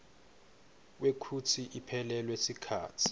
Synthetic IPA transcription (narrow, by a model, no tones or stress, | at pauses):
wekʰutʰiʔipʰɛlɛlwesikʰa̰ːtʰi̥